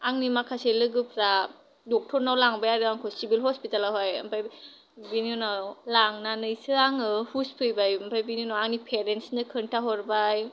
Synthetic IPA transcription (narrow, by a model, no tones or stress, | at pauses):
aŋnimakʰaselɯɡɯpʰɾa | dɔk̚tʰɔɾnawlaŋbajaɾɯaŋkʰɔsibilɦɔspitalaɦɔjampʰaj | biniɔnawlaŋnanɯjsɯaŋɯhuspʰɯjbajampʰajbinjunawaŋnipʰeɾensnɯkʰɯntʰaɦɔɾbaj